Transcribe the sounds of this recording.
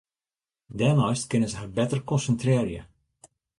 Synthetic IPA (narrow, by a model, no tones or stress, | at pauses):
dɛlˠnɔjstkɪnəzəɦarbɛtərkɔnsəntrɪːrjə̰